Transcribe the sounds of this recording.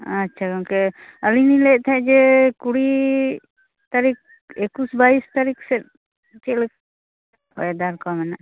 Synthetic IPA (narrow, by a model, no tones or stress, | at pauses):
atːʃʰakɔŋkɛəlinilɛt̪ʰaɛd͡ʒɛkuɽi | t̪aɾik̚ | ekusbaist̪aɾiksɛt̪̚ | t͡ʃɛlɛk | ɔ̰jd̪aɾkamɛna